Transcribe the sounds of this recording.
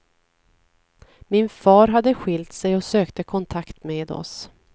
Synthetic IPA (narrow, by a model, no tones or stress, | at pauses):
mɪnfɑːɾɦad̪ːəɧɪlt̪sɛjɔsøːkt̪əkʰɔnt̪ʰakt̪meːd̪ɔ̰s